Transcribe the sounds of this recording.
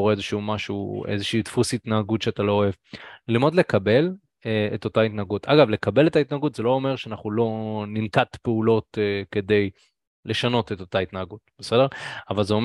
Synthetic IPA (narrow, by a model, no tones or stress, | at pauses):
oʁeezeʃumaʃuḛzeʃiːt̪fusitnaaɡutʃeatalo̞ːe̞vlilmo̞d̪le̞kabe̞l | eeto̞tait̪naaɡutʰaɡavle̞kabe̞let̪aitnaːɡutzelo̞ome̞ʁʃeanaχulo̞nimtat̪peulo̞tkede̞j | le̞ʃano̞tet̪o̞tait̪naaɡut̚b̥ese̞de̞ʁavalzeo̞m